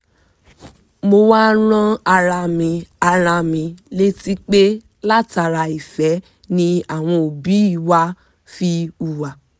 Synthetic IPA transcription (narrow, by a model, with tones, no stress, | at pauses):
mo˧waː˦ɾ̃ã˦a˧ɾa˧mĩ˧a˧ɾ̃a˧mĩ˨˧le˦ti˦k͡pe˦ | la˦˨ta˧ɾa˧i˨fɛ˨˦ | nĩ˧a˨w̃ɔ̃˧o˨bi˨˦i˦˨wa˦ | fi˧u˨wa˨